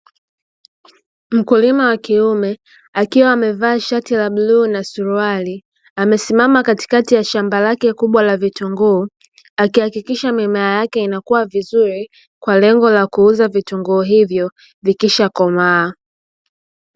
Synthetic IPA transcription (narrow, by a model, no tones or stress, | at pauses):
m̩kulimawakiumɛ | akiwaːmɛvaːʃatilaɓluːnasuɾuali | amɛsimamakati̥katijaʃambalakɛkuɓwalavituŋɡuː | akihakikiʃamimaajakɛinakuwavizuɾi | kwalɛŋɡɔlakuuzavituŋɡuːɦivjɔ | vikiʃakɔmaː